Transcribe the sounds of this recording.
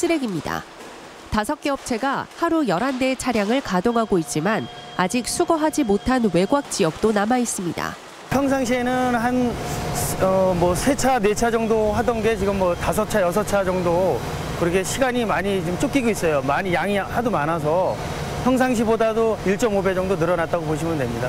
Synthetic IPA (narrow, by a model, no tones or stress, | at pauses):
t͡ɕ͈iɾe̞ɡimɲida̰ | tasʰʌk͈e̞ʌp̚t͡ɕʰe̞ɡahaɾujʌɾande̞t͡ɕʰaɾjaŋɯɭkadoŋɦaɡoit̚t͡ɕ͈iman | ad͡ʑik̚sʰuɡʌɦad͡ʑimotʰanwe̞ɡwak̚t͡ɕ͈ijʌk̚t͈onamais͈ɯmɲida̰ | çjʌŋs̬ʰaŋɕʰienɯnɦan | ʌmwʌsʰe̞t͡ɕʰane̞t͡ɕʰad͡ʑʌŋdoɦadʌnɡe̞t͡ɕiɡɯmːʌtasʰʌt͡ɕʰajʌs̬ʰʌt͡ɕʰad͡ʑʌŋdo | kɯɾʌkʰeɕʰiɡaɲimaɲit͡ɕimt͡ɕ͈ʰok͈iɡois͈ʌjomaɲijaŋihadumanas̬ʰʌ | çjʌŋs̬ʰaŋɕ̬ʰibodadoiɭt͡ɕ͈ʌmobe̞d͡ʑʌŋdonɯɾʌnat̚t͈aɡoboɕ̬ʰimɯndwe̞mɲida